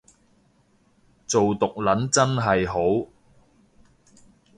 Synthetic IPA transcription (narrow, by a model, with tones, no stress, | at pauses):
t͡so˨wt̪ʊ˨k̚lɐ˨˥nt͡sɐ˥nɦɐ˨jɦo˨˥w